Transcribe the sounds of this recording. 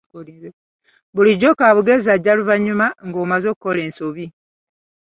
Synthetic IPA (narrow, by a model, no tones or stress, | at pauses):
βuliɟokaːβuɡezaɟaluvaɲːumaŋɡoːmazokkːoleːnsoβi